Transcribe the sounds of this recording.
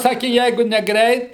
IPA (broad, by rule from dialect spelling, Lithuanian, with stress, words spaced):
ˈsɑːkʲɪ ˈjɛɪɡʊ nʲɛˈɡrʲɛɪt